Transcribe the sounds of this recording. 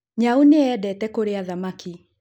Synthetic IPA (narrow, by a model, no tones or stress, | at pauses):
ɲauneɛdɛtɛkoɾeaðamaki